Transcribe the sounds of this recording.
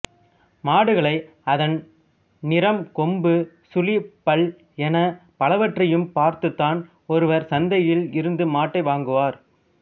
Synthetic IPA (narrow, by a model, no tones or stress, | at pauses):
maːɽɯɣɐɭɐɪ | ɐðɐn | nɪɾɐmkɔmbɯ | sʊlipɐɭ | ɛnɐpɐlɐʋɐʈrɐjɯmpaːɾt̪ɯt̪ːaːn | ɔɾɯʋɐɾsɐnd̪ɐjɪlɪɾɯnd̪ɯmaːʈːɐɪʋaːŋɡɯʋaːɾ